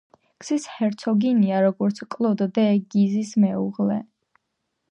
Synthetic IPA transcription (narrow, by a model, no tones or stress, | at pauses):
ɡ̥sishɛɾt̪sʰɔɡiniaɾɔɡɔɾt̪sʰkʼlˠɔd̪d̪ɛɡ̥izismɛuʁlɛ̰